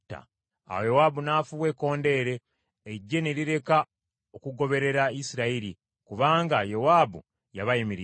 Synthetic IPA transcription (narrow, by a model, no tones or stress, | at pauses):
ta̰ | a̰wojowaːbunaːfuβwe̞ko̞ːnde̞ːɾe̞ː | ɟːe̞ne̞ɾiɾe̞ka | okuɡo̞βe̞ɾe̞ɾaisiɾaiɾi | kuβaːŋɡajowaːbṵ | jaβajimiɾ